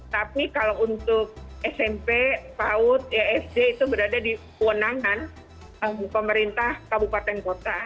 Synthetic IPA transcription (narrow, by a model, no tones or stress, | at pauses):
t̪apikalount̪ʊk̚ɛsɛmpepaʊt̪̚jaɛfdeit̪ubəɾadadi | wənaŋan | əmpəməɾint̪ahkabupat̪ɛnkot̪a